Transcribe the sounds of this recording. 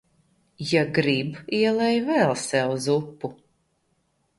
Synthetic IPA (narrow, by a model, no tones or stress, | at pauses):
jaɡɾibiɛlˠɛjvɛlˠsɛwzupːu